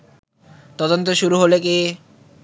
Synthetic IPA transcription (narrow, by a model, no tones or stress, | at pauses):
t̪ɔd̪ont̪oʃuɾuɦoleki